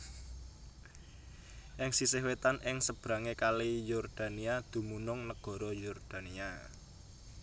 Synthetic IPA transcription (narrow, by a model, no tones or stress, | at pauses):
ʔɪŋsisehwet̪anʔɪŋsəb̥ɾa̤ŋekalijɔrd̪̥a̤niad̪̥ṳmunʊŋnəɡ̥ɔ̤ɾɔjɔrd̪̥a̤nia